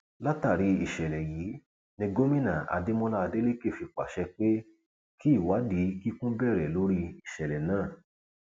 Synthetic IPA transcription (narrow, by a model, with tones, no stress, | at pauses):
la˦ta˦˨ɾi˧i˨ʃɛ˨lɛ˨jiː˨˦ | nĩ˧ɡo˦mĩ˦nã˨a̰˨de˦mɔ̃˦la˦˧de˦le˦ke˦˨fi˧˨k͡pa̰˨ʃɛ˧k͡pe˦ | ki˦i˦˨wa˨˦di˨˦ki˦kũ˦bɛː˦˨ɾɛ˨lo˨˦ɾi˧i˨ʃɛ˨lɛ˨nãː˦˨